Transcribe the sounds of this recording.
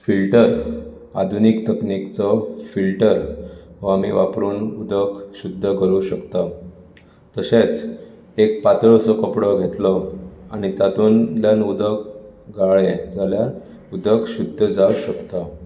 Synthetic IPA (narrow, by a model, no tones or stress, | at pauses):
filʈəɾ | a̰d̪ʱunikt̪əknikt͡sɔfilʈəɾʋamiʋapɾuːnud̪ʱəkɕud̪ʱːəkəɾuɕəkt̪a | t̪əɕet͡s | ek̚pat̪əɭsɔkəpɽɔɡʱet̪lɔaɽ̃it̪at̪uːnljanud̪ʱək̚ɡaɭed͡zaljaɾ | ud̪ʱəkɕud̪ʱːəd͡zauɕəkt̪a